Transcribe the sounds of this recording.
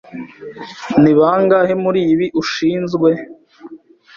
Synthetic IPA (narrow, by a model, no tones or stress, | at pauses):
niβaːŋɡahemuɾiːβiʔuʃiːnzɡwe̞